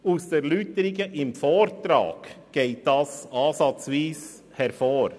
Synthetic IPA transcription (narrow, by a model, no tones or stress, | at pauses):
usd̥ɛːɾlytəɾɪɡəʔɪmfoːɾtɾɑ̰ːɡ̥ | ɡ̥eɪt̚d̥ɑsɑːsɑt͡sviːs | hɛɾfoːɾ